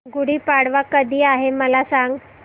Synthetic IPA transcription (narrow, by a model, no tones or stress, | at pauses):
ɡuɽiːpaɽʋakəd̪ʱiːaɦeməlasaŋɡ